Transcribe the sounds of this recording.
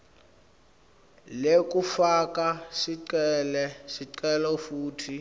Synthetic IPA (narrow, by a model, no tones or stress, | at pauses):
lekufak̬ʼasiǀɛlɛsiǀɛlɔfuːtʰi